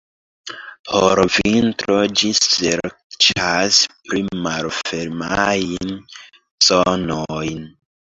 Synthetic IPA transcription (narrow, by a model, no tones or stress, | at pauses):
poɾvintɾod͡ʒiseɾt͡ʃaspɾimalfeɾmajn | zonojn